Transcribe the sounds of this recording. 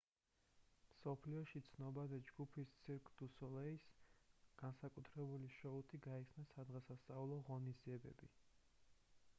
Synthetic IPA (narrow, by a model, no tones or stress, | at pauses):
msɔpʰliɔʃit̪sʰnɔbad̪ɛd͡ʒɡupʰist̪sʰiɾkʰʼd̪̥usɔlɛisɡ̥ansakʼut̪ʰɾɛbuliʃɔut̪ʰiɡaɛχsnasad̪ʁasast̪sʼaulˠɔʁɔnizdiɛbɛ̰bi